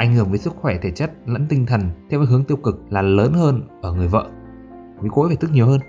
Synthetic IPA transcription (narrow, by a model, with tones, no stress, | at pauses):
ʔa˧˩jŋ̟hɨ˧˩əŋvəː˨˦jsɨ˦˥k̚xwɛ˧˩t̪ʰe˧˩t͡ɕə˦˥t̚lə̰˧˥nt̪ï˧ŋ̟t̪ʰə˨˩nt̪ʰɛ˧wa˨˦˩ɦɨ˨˦əŋt̪i˧əwkɨ˨˩k̚laː˨˩ləː˨˦nhəː˧nʔəː˧˩ŋɨ˨˩əjvə̰ː˧˨ | vi˨˦ko̰˧˥je˨˩t̪ʰɨ˦˥k̚ɲi˨˩əwɦəː˧n